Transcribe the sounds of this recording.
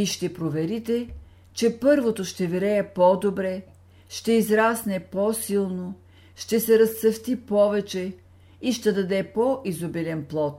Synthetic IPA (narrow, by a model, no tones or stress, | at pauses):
iʃt̪ɛpɾovɛɾit̪ɛ | t͡ʃɛpɤɾvot̪oʃt̪ɛvɛɾɛɛpɔd̪obɾɛ | ʃt̪ɛizɾasnɛpɔsilˠno | ʃt̪ɛsɛɾɐst̪sɐft̪ipɔvɛt͡ʃɛ | iʃt̪ɛd̪ɐd̪ɛpoʔizobilʲɛnplˠɔt̪